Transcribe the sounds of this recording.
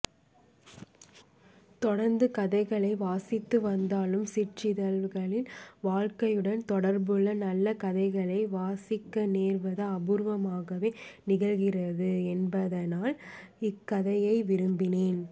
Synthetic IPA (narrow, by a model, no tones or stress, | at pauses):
t̪ɔɽɐɾnd̪ɯkɐðɐɪɣɐɭɐɪʋaːsɪt̪ːɯʋɐnd̪aːlɯmsɪʈt͡ʃɪðɐlɣɐɭɪnʋaːɻkɐjɯɽɐnt̪ɔɽɐɾbɯɭːɐnɐlːɐkɐðɐɪɣɐɭɐɪʋaːsɪkːɐneːrʋɐðɐɐbʊɾʋɐmaːɣɐʋeːnɪɣɐɣɪrɐðɯɛnbɐðɐnaːlɪkːɐðɐjɐɪʋɪɾɯmbɪneːn